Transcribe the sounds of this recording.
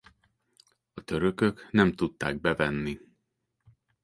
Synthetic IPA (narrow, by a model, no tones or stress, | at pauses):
ɒt̪ø̞ɾø̞kø̞knɛmt̪ut̪ːa̰ːɡ̚bɛvɛnːi